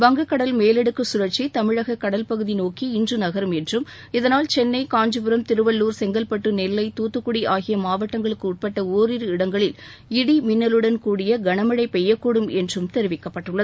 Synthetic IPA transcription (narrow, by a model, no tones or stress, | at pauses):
ʋɐŋɡɐkːɐɽɐlmeːlɛɽɯkːɯsʊɾɐɾt͡ʃːit̪ɐmɪɻɐɣɐkːɐɽɐlpɐɣɯðinoːkiɪndrɯnɐɣɐɾɯmɛndrɯm | ɪðɐnaːlt͡ʃɛnːɐɪkaːɲd͡ʒɯpɯɾɐmt̪ɪɾɯʋɐlːuːɾsɛŋɡɐlpɐʈːɯnɛlːɐɪt̪uːt̪ːɯkːʊɽiʔaːɣɪjɐmaːʋɐʈːɐŋɡɐɭɯkːɯːʈ̚pɐʈːɐoːɾɪɾɯɪɽɐŋɡɐɭɪl | ɪɽimɪnːɐlɯɽɐnkuːɽɪjɐɡɐɳɐmɐɻɐɪpɛjːɐkːuːɽɯmɛndrɯmt̪ɛɾɪʋɪkːɐpːɐʈːɯɭːɐðɯ